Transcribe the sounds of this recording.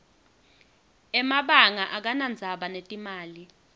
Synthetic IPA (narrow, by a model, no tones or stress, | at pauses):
ɛmaɓaŋaʔak̬anand͡zʱaɓanetʼimaːli